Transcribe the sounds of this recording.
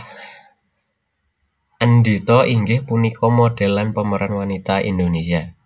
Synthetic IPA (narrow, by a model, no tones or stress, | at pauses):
ʔənd̪it̪ɔʔiŋɡɪhpunikɔmoɖ̥ɛ̤lanpəməɾʔanwanit̪aḭnd̪onesia